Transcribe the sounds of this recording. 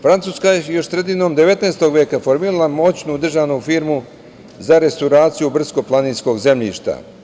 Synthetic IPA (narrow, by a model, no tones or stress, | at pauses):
fɾansuːskajejo̞ʃsɾed̪ino̞md̪e̞ʋe̞t̪neːst̪o̞ɡʋje̞ːkafo̞ɾmiːɾalamo̞ːt͡ɕnuud̪r̩ʒanufiːɾmu | zaɾe̞st̪awɾaːt̪sijubr̩sko̞plˠaniːnsko̞ɡze̞mʎḭːʃt̪a̰